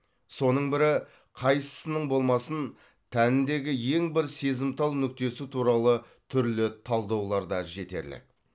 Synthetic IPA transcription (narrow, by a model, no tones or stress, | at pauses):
so̞nəɴbɪɾɪ | qʰɑjsə̥sənəɴbo̞lˠmɑsən | t̪ʰænɪnd̪e̞ɡʲɪje̞ŋbɪɾse̞zɪmt̪ʰɑlˠnʏk̚t̪e̞sut̪ʰuɾɑlˠə | t̪ʰʏɾlɪt̪ʰɑlˠd̪ɑwlˠɑɾd̪ɑʒe̞t̪e̞̰ɾlɪ̰k̚